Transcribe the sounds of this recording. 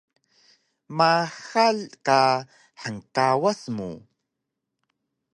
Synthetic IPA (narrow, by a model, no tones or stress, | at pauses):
maxalka | ħəŋkawasmṵ